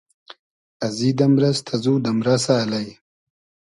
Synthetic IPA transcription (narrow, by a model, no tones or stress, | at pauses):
ɐzid̪ɐmɾɐst̪ʰaɐzuːd̪ɐmɾɐsaːlaj